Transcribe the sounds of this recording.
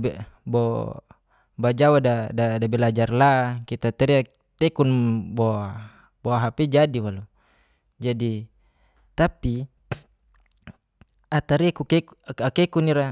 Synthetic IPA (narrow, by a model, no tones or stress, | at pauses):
bɛbɔ | bad͡ʒawadadadabɛlad͡ʒarlakit̪at̪ɛɾia | t̪ɛkunbɔa | bɔaɦapɛd͡ʒadiwalu | d͡ʒadi | t̪api | at̪aɾikukɛkakɛkuniɾa